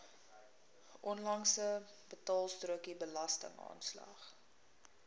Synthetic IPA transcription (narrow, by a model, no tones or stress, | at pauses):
ʔɔnlɐŋsə | bətɑːlˠstruəkibəlɐstə̰ŋɑ̰ːnslɑ̰χ